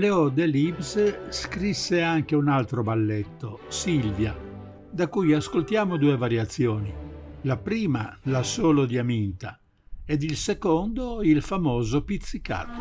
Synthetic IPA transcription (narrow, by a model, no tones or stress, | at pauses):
leɔd̪ɛlibsskɾisːeaŋk̟eunalt̪ɾobalːɛt̪ːosilvja | d̪akujaskolt̪jaːmod̪uːɛvaɾjat̪sːjɔːnilapɾiːmalasoːlod̪iamint̪a | ɛd̪ilsekɔnd̪oilfamɔːzopit̪sːika̰ːt̪ː